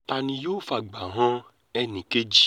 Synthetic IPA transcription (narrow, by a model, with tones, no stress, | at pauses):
ta˧nĩ˧jo˦˨fa˨ɡ͡ba˨ɦã˦ | ɛ˧nĩ˨ke˦d͡ʒi˦